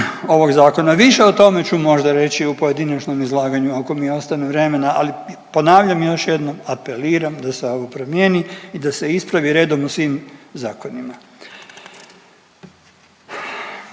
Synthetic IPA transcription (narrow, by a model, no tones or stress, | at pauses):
o̞ʋo̞ɡzaːko̞naʋiʃe̞ot̪o̞me̞t͡ɕumo̞ʒd̪aɾe̞t͡ɕiupo̞je̞d̪inat͡ʃno̞mizlˠaːɡaɲuako̞mio̞st̪anuʋɾe̞me̞naʔalipo̞naːʋʎamjo̞ʃje̞d̪no̞mape̞liːɾamd̪aseo̞ʋopɾo̞mjeːniid̪ase̞ispɾaʋiɾe̞ːd̪omusʋimzaːko̞nima